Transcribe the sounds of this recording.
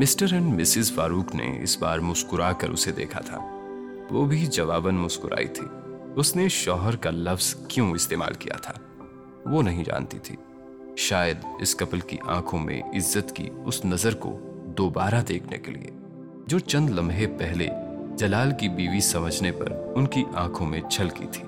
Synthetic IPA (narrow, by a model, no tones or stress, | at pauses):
mɪsʈəɾɛ̃ɳɖmɪsɪzfaːɾuːknḛɪ̰sba̰ːɾmʊskʊɾaːkɐ̰ɾʔʊ̰sed̪ḛːkʰat̪ʰa̰ː | ʋoːbʱid͡ʒɐʋaːbənmʊskʊɾʔa̰ːḭt̪ʰḭːʊsneʃɔːɦəɾkalɐfz̥kjõɪst̪eːma̰ːlkija̰t̪ʰaː | ʋoːnɐɦĩd͡ʒa̰ːnt̪it̪ʰḭː | ʃaːjəd̪ɪskɐpəlkḭʔã̰ːkʰõmḛ̃ɪzːət̪kḭʊsnɐzəɾko̰d̪oːbaːɾad̪eːkʰnḛkḛlḭe | d͡ʒoːt͡ʃɐ̃nd̪lɐ̃mɦepɛɦlḛd͡ʒɐlaːlkibiːʋisɐməd͡ʒʱnepɐ̰ɾʊnkiʔãːkʰõmẽt͡ʃʰɐlkḭt̪ʰiː